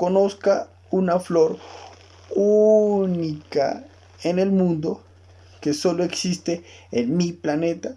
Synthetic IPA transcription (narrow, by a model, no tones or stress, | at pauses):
konoska | unafloɾ | unika̰ | enelmũnd̪o | kesoloeksist̪e | enmiplanet̪a